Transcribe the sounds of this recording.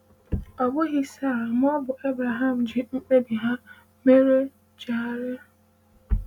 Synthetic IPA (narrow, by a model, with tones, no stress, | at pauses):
ɔ˨bʊ˦ɣɪ˦sa˦˨ɾa˨m˦ɔ˦bʊ˨ʔe˦bɾa˨ɦa˦m̩˨d͡ʒɪ˨ŋ͡m̩˦k͡pe˦bi˨ɦa˦ | me˦ɾe˦ | d͡ʒa˨˦ɾe˦˨